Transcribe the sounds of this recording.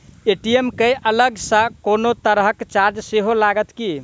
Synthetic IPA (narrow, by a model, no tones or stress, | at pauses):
eʈiemkejələɡsə̃konot̪əɾɦəkt͡ʃaɾd͡ʒseɦolaɡət̪ki